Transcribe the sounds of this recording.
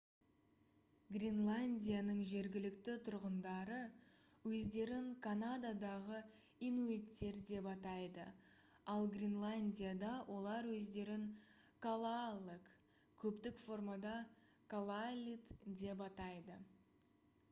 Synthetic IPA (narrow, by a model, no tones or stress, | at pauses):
ɡrʲinlˠanʲdʲijanəɴʒe̞ɾɡʲɪlɪkt̪ɪt̪ʰʊɾʁənd̪ɑɾə | wɵzd̪e̞ɾɪŋkʰanad̪ad̪ɑʁə | inuet̪ːe̞ɾd̪e̞pɑt̪ɑjd̪ə̰ | ɑlˠɡrʲinlˠanʲdʲijad̪ɑwʔo̞lˠɑɾwɵzd̪e̞ɾɪŋ | kʰolˠalˠək | kʲʰɵpt̪ɪkfo̞rmad̪ɑ | kʰalˠalʲit̪d̪e̞p̬ɑt̪ɑjd̪ə